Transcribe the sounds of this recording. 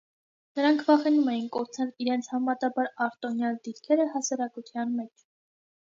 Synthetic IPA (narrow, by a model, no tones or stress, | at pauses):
nəɾɑŋkʰvɑχɛnumɛjinkɔɾt͡sʰɛliɾɛnt͡sʰhɑmɑt̪ɑbɑɾɑɾt̪ɔnjɑld̪iɾkʰɛɾəhɑsɑɾɑkut̪ʰjɑnmɛt͡ʃʰ